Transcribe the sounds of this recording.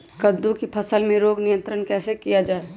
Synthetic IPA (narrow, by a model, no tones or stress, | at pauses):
kəd̪ukipʰɐsəlmẽɾoːɡnɪjə̃nt̪ɾənkɛːsekijad͡ʒaːe